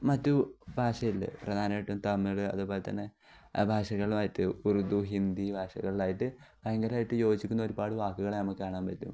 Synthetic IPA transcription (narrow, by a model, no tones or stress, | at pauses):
mɐtːubʱaːʂɐjilːɐ̰prɐd̪ʱaːnɐpːeʈːumt̪ɐmːiɭɨɐ̰ðubo̞ːlet̪ɐ̰nːe̞ | bʱaːʂɐɣɐɭumaːjiʈːɨurud̪uɦind̪ibʱaːʂɐɣɐɭilaːjiʈːɨ | beŋɡɐlaːjiʈːɨjo̞ːt͡ɕːikʲːunːɐoɾupaːɽɨʋaːkːuɣɐɭenɐmɐkːɨkaːɳaːmpɐtːṵm